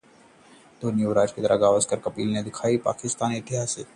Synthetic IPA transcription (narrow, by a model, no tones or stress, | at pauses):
d̪̥onijoɾaːd͡ʒkit̪əɾʔaɡaːʋəzkəɾkɐpiːlned̪ɪkʰaːipa̰ːkɪst̪aːniɪt̪ɪɦaːseː